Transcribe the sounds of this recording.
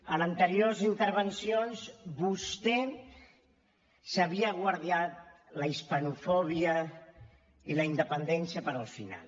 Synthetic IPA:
ənənt̪əɾioɾzint̪əɾβənsijonzbust̪ɛ | səβiəɣwaɾðiat̪̚ | ləispənufɔβ̞iə | iləind̪əpənd̪ɛnsiəpəɾəlˠfina̰lˠ

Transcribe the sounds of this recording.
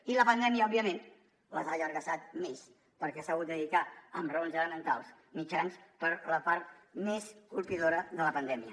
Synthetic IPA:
iləpənd̪ɛmiəɔbiəmen | ləzaʒərɣəsat̪̚mes | pəɾkɛsaɣut̪d̪əðikaəmrəonzələmənt̪alˠs | mit͡ʃanspəɾləpaɾt̪̚meskulˠpiðoɾəðələpənd̪ɛmiə

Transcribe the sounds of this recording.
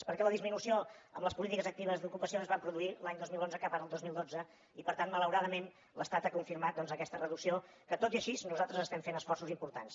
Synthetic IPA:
spəɾkɛləðizminusioəmləspulit̪ikəzək̚t̪iβ̞əzd̪ukupəsioəzβampɾuðuilaɲd̪ozmilˠonzəkapanəlˠd̪ozmilˠd̪od͡zə | ipəɾt̪anmələwɾaðəmen | ləst̪at̪akuɱfiɾmat̪̚d̪ɔnzəkɛst̪ərəðuksio | kət̪ot̪iəʃiznuzalˠt̪ɾəzəst̪ɛmfenəsfɔrsuzimpuɾt̪ans

